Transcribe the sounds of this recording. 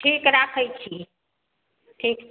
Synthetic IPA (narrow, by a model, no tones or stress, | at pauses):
ʈʰikɾakʰəjt͡ʃʰi | ʈʰiːk